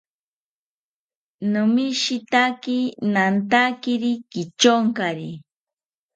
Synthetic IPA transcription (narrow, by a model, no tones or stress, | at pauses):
numiʃit̪akinant̪akiɾikit͡ʃoŋkaɾi